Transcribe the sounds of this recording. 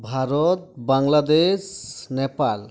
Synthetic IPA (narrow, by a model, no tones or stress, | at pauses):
bʱaɾɔt̪̚baŋlad̪esnɛpal